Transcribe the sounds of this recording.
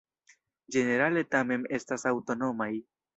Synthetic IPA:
d͡ʒe̞ne̞ɾale̞tame̞ne̞stasawto̞no̞maj

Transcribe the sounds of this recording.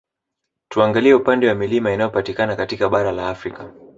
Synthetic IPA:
tuaŋɡaliɛupandɛwamilimainajɔpatikanakatikaɓaɾalaːfɾika

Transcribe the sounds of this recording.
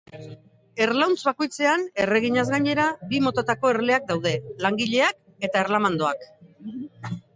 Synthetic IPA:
e̞ɾlawnt͡sβako̞jt͡se̞ane̞re̞ɣ̞iɲazɣaɲe̞ɾabimo̞t̪at̪ako̞eɾle̞ak̚d̪awð̞e̞laŋɡiʎe̞ak̚ | e̞t̪aeɾlamand̪o̞ak

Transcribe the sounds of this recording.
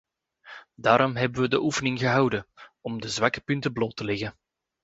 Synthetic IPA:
daːɾɔmɦɛbənʋədəʔufənɪŋɣəɦɑwdənɔmdəzʋakə̥pʏntəbloːtəlɛɣən

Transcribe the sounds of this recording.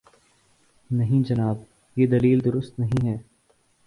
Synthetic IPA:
nɐɦĩd͡ʒɐnaːb | jeːd̪ɐliːld̪ʊɾʊst̪nɐɦĩɦɛː

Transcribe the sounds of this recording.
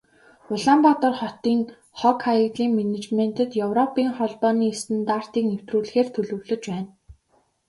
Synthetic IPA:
ʊɮaːmpɔt̪ɔ̆rχɔt̪iːŋ | χɔkʰaikɮiːŋmenet͡ɕmen̥t̪ə̆t̪jɵwrɔpiːŋχɔɮpɔːniːest̪ɘ̆nt̪ar̥t̪iːknew̥t̪ruːɮ̆xeːrt̪ʰɵɮɵ̆wɮɵ̆t͡ɕpæːn

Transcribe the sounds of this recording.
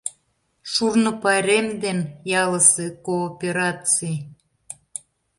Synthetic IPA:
ʃurnə̆pɑɾemd̪enjɑləsekoːpʲeɾɑt͡sij

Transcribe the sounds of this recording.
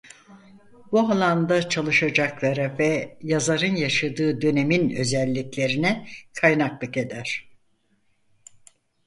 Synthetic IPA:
bualˠand̪at͡ʃʰalˠɯʃad͡ʒaklˠaɾavɛjazaɾɯnjaʃad̪ɯːd̪ø̞ne̞minø̞̰zɛlʲːiclʲe̞ɾinɛkʰajnaklˠɯke̞d̪æɾ̝̥

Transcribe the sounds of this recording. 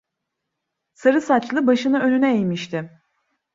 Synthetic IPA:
saɾɯsat͡ʃlˠɯbaʃɯnɯø̞nynɛejmiʃt̪ʰɪ

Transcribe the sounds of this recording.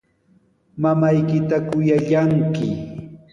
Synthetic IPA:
mamajkɪt̪akʊjaʎaŋkɪ

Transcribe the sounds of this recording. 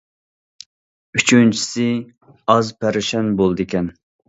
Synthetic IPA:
yt͡ʃʰynt͡ʃʰi̥sɪ | ɑzpʰæɾɪʃɛnbolˠd̪ɪkʲʰɛn

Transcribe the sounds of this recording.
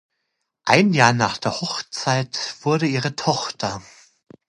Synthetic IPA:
ʔaɪnjaːɐnaːχd̥eːɐhɔχt͡saɪtv̥ʊɐɾəiːʁ̞ətʰɔχtʰɐ

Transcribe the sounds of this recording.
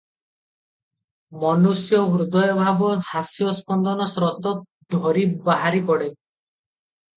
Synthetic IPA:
mɔnusjɔbɾud̪ɔjɔbʱabɔhasjɔspɔnd̪ɔnɔsɾɔt̪ɔ | d̪ʱɔɾibaɦaɾipɔɽe

